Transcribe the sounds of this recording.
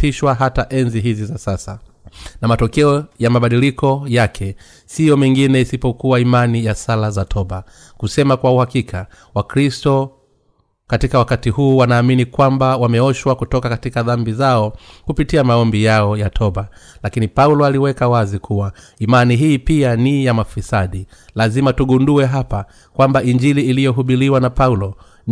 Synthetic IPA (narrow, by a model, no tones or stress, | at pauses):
iʃwaɦataʔɛnziɦizizasasa | namatɔkɛɔjamaɓaɗilikʰɔjakʰɛ | sijɔmiŋɡinɛisipɔkuwaimanijasalazatʰɔɓa | kusɛmakwauhakikʰa | wakɾistɔ | katikawakatihuːwanaːminikwambawamɛɔʃwakutɔkakatikaðambizaɔkupitiamaɔmbijaɔjatʰɔɓalakinipaulɔaliwɛkawazikʰuwa | imaniɦiːpianijamafisaɗi | lazimatuɠunduɛɦapa | kwambaiɲd͡ʒiliːlijɔɦuɓiɾiwanapaulɔ